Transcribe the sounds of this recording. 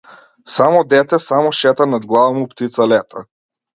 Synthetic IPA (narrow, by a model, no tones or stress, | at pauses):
samɔd̪ɛt̪ɛsamɔʃɛt̪anad̪ɡlˠavamupt̪it̪salɛt̪ʰa̰